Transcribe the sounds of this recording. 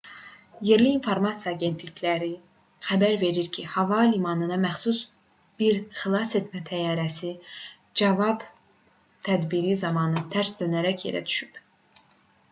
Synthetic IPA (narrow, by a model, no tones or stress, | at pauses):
je̞ɾliːnfo̞ɾmɑsijɑːɟe̞nt̪liçlæɾi | xæbæɾve̞ɾiɾcʰihɑvɑlimɑnɯd̪ɑmæxsus | b̥iɾxilˠɑse̞t̪mæt̪ʰæjɑːɾæsi | d͡ʒɑvɑb | t̪ʰæd̪biɾizɑmɑnɯt̪ʰæɾsd̪ønæɾæcʰjḛɾæ̰d̪y̥ʃyp